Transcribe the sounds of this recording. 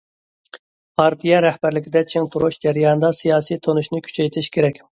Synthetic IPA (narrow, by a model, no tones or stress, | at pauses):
pʰɑɾt̪ʰijɛɾæhbæɾlɪkʲɪd̪ɛt͡ʃʰeŋt̪ʰuɾuʃd͡ʒɛɾijɑnɨd̪ɑsijɑːsijt̪ʰonuʃnɪkʲʰy̥t͡ʃʰɛjt̪ʰɪʃkʲʰeɾɛkʲ